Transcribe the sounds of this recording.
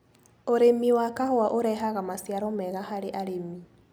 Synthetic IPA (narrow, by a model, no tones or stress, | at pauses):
oɾemiwakahwaʔoɾɛɦaɣamasjaɾomɛɣahaɾeʔaɾemi